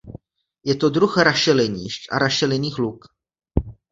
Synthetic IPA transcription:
jɛt̪odɾuxɾaʃɛlɛɲiʃt̪ʔa̰ɾaʃɛlɛniːxluk

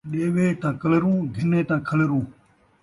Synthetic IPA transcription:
ɗeːʋeːt̪ãːkəlɾũːɡʱɪnẽːt̪ãːkʰəlɾũː

